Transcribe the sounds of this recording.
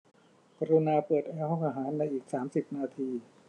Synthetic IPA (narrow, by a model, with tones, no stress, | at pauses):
ka˧ɾu˧naː˧pɤː˨˩t̪̚ʔa˧hɦɔ˥˩ŋʔaː˧ɦaː˩˦nːa˧jʔiː˨˩k̚saː˩˦msi˨˩p̚naː˧t̪ʰiː˧